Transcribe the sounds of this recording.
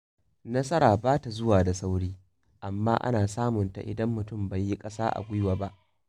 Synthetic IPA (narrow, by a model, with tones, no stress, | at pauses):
nɐ˦sɐ˦ɾaː˨baː˦ta˨zʊ˦waː˨da˨sa˦wɽiː˦ | ʔa˨mːaː˦ʔa̰˦naː˨saː˦mʊ˨nta̰˨ʔɪ̰˨dɐ˦mːʊ˨tʊ˦˨mba˨jːi˦kʼɐ˦saː˦ʔa̰˨ɡʷʊ˦jwaː˨ba˦ʔ